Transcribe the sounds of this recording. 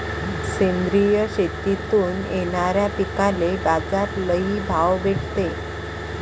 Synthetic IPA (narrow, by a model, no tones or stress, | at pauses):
send̪ɾijəɕet̪it̪uːnjeɽ̃aɾjapikalebad͡zat̪ləɦibʱawbeʈʰt̪e